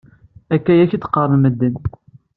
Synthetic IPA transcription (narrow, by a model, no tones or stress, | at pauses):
ækːæjæçit͡s̪ːqərˤnməd̪ːən